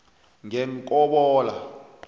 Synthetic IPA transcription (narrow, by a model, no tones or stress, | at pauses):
ŋɛŋkʼɔɓɔːla